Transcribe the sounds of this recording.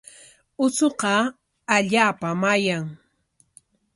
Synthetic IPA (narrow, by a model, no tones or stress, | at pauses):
ʊsoqɑ | aʎaːpamajaŋ